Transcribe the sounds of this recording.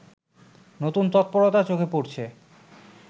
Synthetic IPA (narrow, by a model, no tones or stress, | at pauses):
not̪unt̪ɔt̪̚pɔɾot̪at͡ɕokʰepoɾt͡ɕʰe